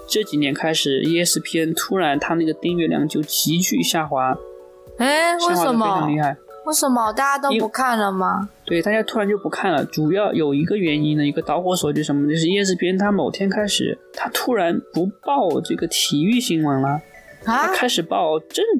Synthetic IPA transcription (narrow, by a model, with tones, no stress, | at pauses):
ʈ͡ʂɤ˥˩t͡ɕi˨˩njɛ˧˥nkʰa˥ɪʂɻ̩˨˩˦jɛ˥˧sɹ̩˥˩pʰjɛ˥nt̪ʰu˥ɻa˧˥nt̪ʰa˥na˥˩ɡə˩t̪i˥˧ŋɥɛ˥˧ljɑ̰˥˩ŋt͡ɕjo˥˩ʊt͡ɕi˧˥t͡ɕy˥˧ɕja˥˩xwa˧˥ | e˥˩˥we˥˩xa˥˧˥mʰ˥˧˥li˥˧xa˥˩ɪwe˥˩ʂə˧˥nmə˧˨˩t̪a˥˧t͡ɕja˥t̪o˥ʊ˥pu˧˥kʰa˥˩nlə˩mɐ˩t̪we˥˩ɪt̪a˥˧˩t͡ɕja˥t̪ʰu˥ɻa˧˥nt͡ɕo˥˩pu˧˥kʰa˥˩nlə̰˩ʈ͡ʂu˨˩jɑ˥˩ʊjo˨˩ʊi˧˥ɡə˧ɥɛ˧˥ni˥nd̪ə˧i˧˥ɡə˧t̪ɑ˧˥ʊxwɔ˧˥swɔ˨˩t͡ɕjo˥˩ʊʂə˧˥nmə˧t͡ɕjo˥˧ʊʂɻ̩˥˧jɛ˥˧s̬ɹ̩˥˧pʰjɛ˥nt̪ʰa˥mo˨˩ʊt̪ʰjɛ˥nkʰa˥ɪʂɻ̩̰˨˩˦t̪ʰa˥t̪ʰu˥ɻa˧˥npu˧˥pɑ˥˧ʊʈ͡ʂɤ˥˩ɡə˩t̪ʰi˨˩y˥˩ɕi˧˥ŋwə˧˥nlə˧ | t̪ʰa˥kʰa˥ɪʂɻ̩˨˩pɑ˥˩ʊʈ͡ʂə˥n